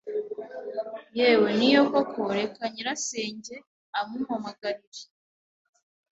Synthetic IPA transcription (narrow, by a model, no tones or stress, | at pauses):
jewenijokokʰoɾe̞kaɲiɾaseːɲɟe̞ | amumamaɡaɾiɾe